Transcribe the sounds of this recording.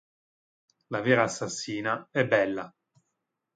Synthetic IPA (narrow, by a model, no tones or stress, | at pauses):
laveːɾaːsːasːiːnaɛbːɛlːa